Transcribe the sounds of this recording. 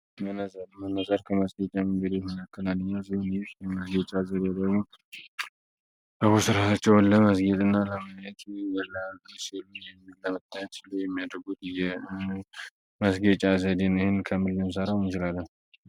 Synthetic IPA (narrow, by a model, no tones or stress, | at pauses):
mənmənəzaɾkʰəməsɡet͡ʃʼamɨŋɡəd̪et̪mɨnakʰːəlalːɨɲːazihonsjɛməsɡət͡ʃʼazəd̪ed̪əɡmo | bəβusɨɾat̪ʰat͡ʃːɛwnləməsɡet̪ʼɨnːaləməjɛt̪bəlːasilujɛmːilləmət̪ʼːajɛt̪sɨlojɛmːijad̪əɾɡut̪jɛ | məsɡət͡ʃʼazəd̪enihɪnkʰəmɨlːɨmsəɾawnt͡ʃɪlalːəh